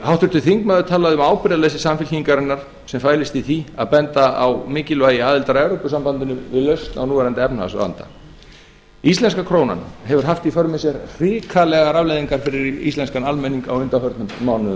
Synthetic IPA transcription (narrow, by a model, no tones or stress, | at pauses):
hawht̪ʏɾt̪ʏθiŋkmaðʏt̪ʰaːlaðɪʏmaːwpɪɾɪðalejsɪsamfɪlçiiŋkaɾɪnːaɾ̥ | sɛmfaːjlɪst̪iθia̰ðpɛnt̪aa̰wmɪːcɪlvaːjɪaːðɪlt̪aɾɛvɾowpʏsampant̪ɪnʏmvɪðlœɥst̪na̰wnuːvɛɾant̪ɪɛpnha̰sa̰nt̪a̰ | ist̪lɛnskakʰɾoːwna̰nhɛvʏɾ̥ɦaft̪ifœɾmɪsjɛɾr̥ɪːkʰalɛɣaɾavlejðiŋkaɾ̥fɪɾɪɾḭst̪lɛnskanalmɛniŋkawʏnt̪afœɾt̪nʏmmːawnʏ